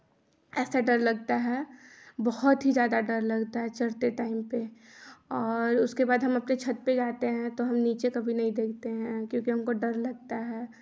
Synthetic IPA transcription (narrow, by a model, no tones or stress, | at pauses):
ɛːsaɖɐɾlɐɡ̚t̪aɦɛːbɔhʊt̪ɦid͡ʒjaːd̪aɖɐɾlɐɡt̪aɦɛt͡ʃɐɾt̪eʈaːɪmpe | ɔːɾʊskebaːd̪ɦɐmɐpnet͡ʃʰɐt̪̚peɡaːt̪eɦɛ̃t̪oɦɐmniːt͡ʃekɐbʱinɐɦĩd̪eːkʰt̪eɦɛ̃kjõːkiɦɐmkoɖɐɾlɐɡt̪aɦɛː